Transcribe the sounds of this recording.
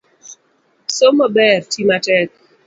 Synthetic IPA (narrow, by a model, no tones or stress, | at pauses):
somɔbɛrtimatɛk̚